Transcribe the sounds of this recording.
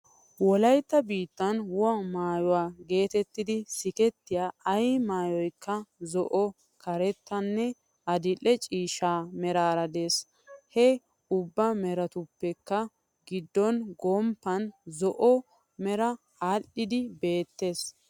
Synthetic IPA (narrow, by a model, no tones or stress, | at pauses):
wɔlɐjt̪ːɐbiːt̪ːɐnwʊɐmaːjɔwaːɡe̞ːt̪ɛt̪ːɪd̪ɪsɪkɛt̪ːɪjaːɐjmaːjɔjkːɐzɔʔɔ | kɐɾɛt̪ːɐnːɛ | ʔɐd̪ɪlːɛt͡ʃʼiːʃaːmɛɾaːɾɐd̪e̞ːs | hɛ | ʊbːɐmɛɾɐt̪ʊpːɛkːɐ | ɡɪd̪ːɔnɡɔmpːɐnzɔʔɔ | mɛɾɐ | aːlːɪd̪ɪbe̞ːt̪ːe̞ːs